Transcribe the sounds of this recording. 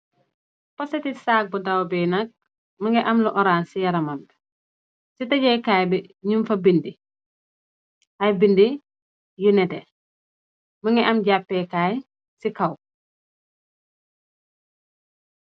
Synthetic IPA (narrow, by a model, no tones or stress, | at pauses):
pɔsɛtisaːk̚budawbɛnɐk̚ | mɐŋɡɛʔɐmluʔɔɾaːnsijɐɾɐmɐm | sitɐɟɛːkaːjbɛɲumfɐbindi | ʔɐjbindi | junɛtɛ | mɐŋɡɛʔɐmɟapːɛkaːj | sikɐw